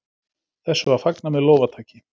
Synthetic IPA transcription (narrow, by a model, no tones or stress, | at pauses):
θɛsːʏvaɾ̥faknamɛðlɔwvat̪ʰaːcɪ